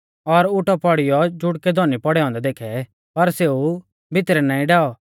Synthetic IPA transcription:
ɔɾʊʈɔpɔɽɪjɔd͡ʒʊɽkɛd̪ʱɔːnipɔɽɛɦɔ̃ːnd̪ɛd̪eːkʰɛ | pɐɾseːu | bʱɪt̪ɾɛnãːĩɖaːɔ

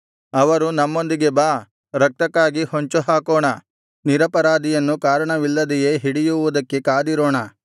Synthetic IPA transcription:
ɐʋɐɾunɐmːo̞nd̪iɡe̞baː | ɾɐk̚t̪ɐkːaːɡihoɲt͡ʃuɦaːkoːɳɐ | niɾɐpɐɾaːd̪ijɐnːukaːɾɐɳɐʋilːɐd̪ɛje̞ːɦiɽijuʋud̪ɐkːe̞kaːd̪iɾoːɳɐ

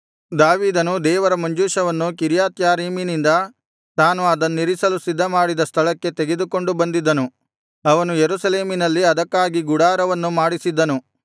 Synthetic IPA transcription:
d̪aːʋiːd̪ɐnud̪ɛːʋɐɾɐmɐɲd͡ʒuːʂɐʋɐnːukiɾjaːt̪jaːɾiːminind̪ɐ | t̪aːnuɐd̪ɐnːiɾisɐlusid̪ʱːɐmaːɽid̪ɐst̪ʰɐlɐkːe̞t̪eɡe̞d̪uko̞ɳɖubɐnd̪id̪ːɐnu | ɐʋɐnujeɾusɐle̞ːminɐlːiɐd̪ɐkːaːɡiɡuɽaːɾɐʋɐnːumaːɽisid̪ːɐnu

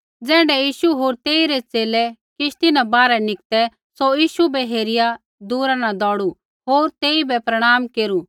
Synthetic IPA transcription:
d͡zɛ̃ːɳɖɛjiːʃuɦoːɾt̪eːiɾɛt͡seːlɛkɪʃt̪ɪnãbaːɾɛnɪk̚t̪ɛ | sojiːʃubɛɦeːɾɪja | d̪uːɾãnad̪ɔːɽu | ɦoːɾt̪eːibɛpɾɐɽ̃aːmkeːɾu

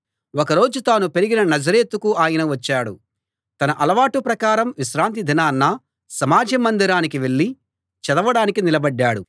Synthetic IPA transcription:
ɔkɐɾo̞ːd͡ʒut̪aːnupe̞ɾiɡinɐnɐd͡ʒɐɾeːt̪ukuaːjɐnɐʋɐt͡ʃːaːɽu | t̪ɐnɐʔɐlɐʋaːʈupɾɐkaːɾɐmʋiʃɾaːnt̪̬id̪ʱinaːnːɐ | sɐmaːd͡ʒɐmːɐnd̪iɾaːnik̬iʋe̞ɭːi | t͡ʃɛd̪ɐʋɐɽaːnikinilɐbɐɖːaːɽu

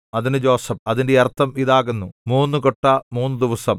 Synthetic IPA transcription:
ɐðinɨd͡ʑo̞ːsɐmɐðindejɐrt̪ʰːɐmiðaːɣunːumuːnːukoʈːɐmuːnːud̪iʋɐsɐm

